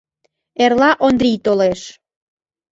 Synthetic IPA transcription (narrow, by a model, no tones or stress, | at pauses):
erlɑʔond̪ɾit̪oleʃ